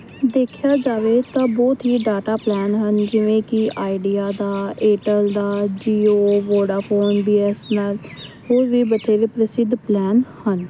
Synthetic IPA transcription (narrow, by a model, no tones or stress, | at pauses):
d̪eːkʰɪjaːd͡ʒaːʋeːt̪ãːbɔːt̪ɦiːɖaːʈaːplɛːnɦənd͡ʒɪʋẽːkɪʔaːiɖijaːd̪aːeːʈəld̪aːd͡ʒiːoːʋoːɖaːpʰoːnbiːɛsnaːlhoːɾʋiːbət̪ʰeːɾeːpɾəsɪd̪plɛːnhən